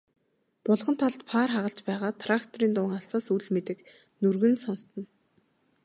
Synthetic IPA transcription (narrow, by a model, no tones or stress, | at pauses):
pʊɮʁɞ̆nt̪ʰaɮt̪pʰaːrχaʁə̆ɬt͡ɕpæːʁaːt̪ʰrakt̪ʰɔɾiːnt̪ʊːŋaɬsaːsuɮmet̪ɘ̆k | nurɣɘ̆nsɔnst̪ɞ̆n